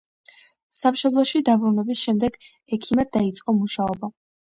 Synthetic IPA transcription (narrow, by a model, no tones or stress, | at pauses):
samʃɔblˠɔʃid̪abɾunɛbisʃɛmd̪ɛɡ | ɛkʰimad̪ait̪sʼqʼɔmuʃaɔba